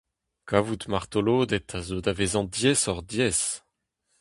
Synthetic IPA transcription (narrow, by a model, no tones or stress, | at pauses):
kavut̪maʁt̪oloːd̪ɛt̪ʰazod̪avezɑ̃d̪jɛsɔʁd̪jɛs